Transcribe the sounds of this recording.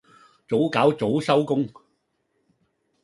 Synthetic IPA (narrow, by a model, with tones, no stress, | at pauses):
t͡so˨˥wkaː˨˥wt͡so˨˥wsɐ˥wkʊ˥ŋ